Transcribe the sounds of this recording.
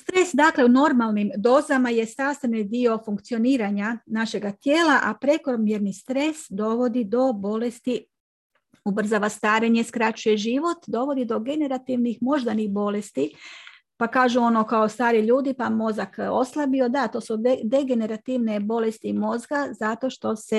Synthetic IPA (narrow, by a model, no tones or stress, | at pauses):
st̪ɾe̞sd̪akle̞uno̞ɾmalˠnimd̪o̞ːzamaje̞st̪ast̪enid̪io̞fuŋk̚t̪sio̞niːɾaɲanaʃe̞ɡat̪je̞ːlaʔapɾe̞koɾomjeɾnist̪ɾe̞sd̪o̞ʋo̞d̪id̪o̞bo̞le̞st̪i | ubr̩zaʋast̪aːɾe̞ɲe̞skɾat͡ɕuje̞ʒiʋo̞t̪d̪o̞ʋo̞d̪id̪o̞ɡe̞ne̞ɾat̪iʋnixmo̞ʒd̪anixbo̞le̞st̪i | pakaːʒuo̞nokaost̪aːɾiʎuːd̪ipamo̞zako̞slˠabio̞d̪at̪o̞ːsud̪e̞ɡe̞ne̞ɾat̪iʋne̞bo̞le̞st̪imo̞zɡazat̪o̞ʃt̪o̞se